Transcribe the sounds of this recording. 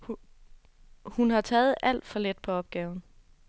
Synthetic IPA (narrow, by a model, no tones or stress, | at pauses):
h | hunhɑ̈t͡sʰɛːð̞̩ˠʔæl̰d̥fɒ̽led̥̚pʰɒ̽ɒ̽b̥̚ɡ̥ɛːʊn̩